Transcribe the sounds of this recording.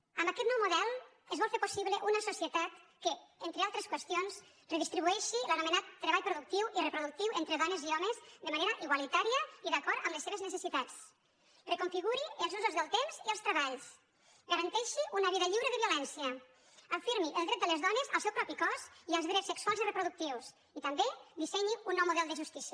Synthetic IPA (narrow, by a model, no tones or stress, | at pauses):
əmbakɛt̪nɔwmuðɛlˠ | ezβɔlˠfeɾposiβləʔunəsusiət̪at̪kəent̪ɾealˠt̪ɾeskwəst̪ions | reðist̪ɾiβuɛʃilənumenat̪ːɾəβaʎpɾuðuk̚t̪iwirepɾuðuk̚t̪iwent̪ɾeðɔneziɔmezd̪əmaneɾɐʔiɣwalit̪aɾiəiðakɔɾt̪əmləsːeβeznəsəsit̪at͡s | rəkuɱfiɣuɾiəlˠzuzuzðəlˠt̪emziəlst̪ɾəβaʎs | ɡaɾɐnt̪ɛʃiunəβiðəʎiwɾəðəβiulɛnsiə | əfiɾmiʔəlˠd̪ɾɛt̪d̪ələzðɔnəzəlˠsɛwpɾɔpikɔziəlˠzðɾɛtsːəkswalˠzirəpɾuðuk̚t̪iws | it̪əmbed̪isɛɲiunːɔwmuðɛlˠd̪əʒust̪isiə